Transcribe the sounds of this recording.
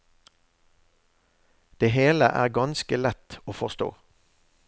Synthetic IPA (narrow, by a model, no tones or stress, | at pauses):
d̪̥eːɦeːləʔæ̰ːʁɡɑnskəlɛt̪oːfɔʁst̪o̰ː